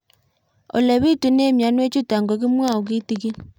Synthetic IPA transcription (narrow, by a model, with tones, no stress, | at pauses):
o̰˨le˨βi˦tu˨ne˦mja˨nwe˦t͡ʃu˦ta˨ŋɡo˨ki˦mwa˦˨o˨k̬i˦ti˨ki˦